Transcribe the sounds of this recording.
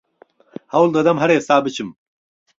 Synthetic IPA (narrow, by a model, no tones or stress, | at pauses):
hɐwld̪ɐd̪ɐmɦɐɾeːsaːbit͡ɕʰim